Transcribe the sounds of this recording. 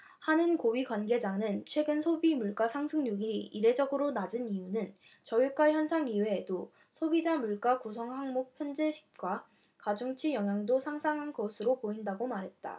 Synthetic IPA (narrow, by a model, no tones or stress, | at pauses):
hanɯnkoɥikwanɡe̞d͡ʑaŋɯnt͡ɕʰwe̞ɡɯnsʰobimuɭk͈asʰaŋsʰɯŋɲuɡiiiɾe̞d͡ʑʌɡɯɾonad͡ʑɯnijunɯn | t͡ɕʌiɭk͈açjʌnsʰaŋiweːdo | sʰobid͡ʑamuɭk͈akusʰʌŋhaŋmok̚pʰjʌnd͡ʑeɕʰi̥k̚k͈wa | kad͡ʑuŋt͡ɕʰijʌŋɦjaŋdosʰaŋsʰaŋɦanɡʌsʰɯɾopoindaɡomaɾɦe̞t̚t͈a̰